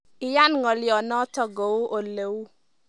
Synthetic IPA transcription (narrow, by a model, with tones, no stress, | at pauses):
ɪ˦ja˦nŋɔ˨ljɔ˨nɔ˦tɔ˦ɡo˨u˦ʔo˨le˨wu˦